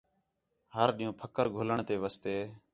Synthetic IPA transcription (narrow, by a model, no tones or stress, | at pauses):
ɦəɾɗĩːõːpʰəkəɾɡʱoːləɳt̪eːʋaːst̪eː